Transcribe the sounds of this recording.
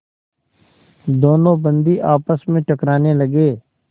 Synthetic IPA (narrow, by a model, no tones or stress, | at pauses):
d̪oːnõːbə̃nd̪iʔaːpəsmẽʈəkɾaːneləɡeː